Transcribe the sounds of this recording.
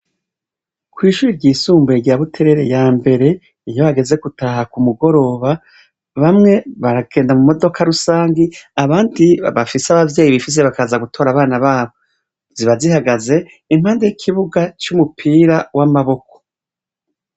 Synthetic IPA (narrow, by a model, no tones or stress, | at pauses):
kwiːʃuːɾiɾɟiːsuːmbueɾɟaβutʰe̞ɾe̞ɾe̞jaːmbe̞ɾe̞ | ijo̞haɡe̞ze̞ɡutahakumuɡo̞ɾo̞ːβa | βamŋe̞βaɾaɡ̥e̞ːndamumo̞do̞kʰaɾusaːŋɡiaβaːndiβafiseaβavje̞ːjiβifis̬eβakazaɡutʰo̞ːɾaβaːnaβaːβo | ziβazihaɡaze̞ | im̥haːnde̞ikʰiβuɡat͡ʃumupʰiːɾawʔamaβo̞ko̥